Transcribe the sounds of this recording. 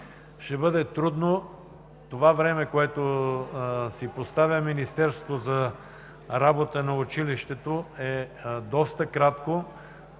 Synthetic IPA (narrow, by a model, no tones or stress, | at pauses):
ʃɛbɤd̪ɛt̪ɾud̪no | t̪ovavɾɛmɛkoɛt̪o | sipost̪avʲɐminist̪ɛɾsot̪ozɐ | ɾabot̪ənɐʊt͡ʃiliʃt̪ɛt̪oɛd̪ɔst̪əkɾat̪ko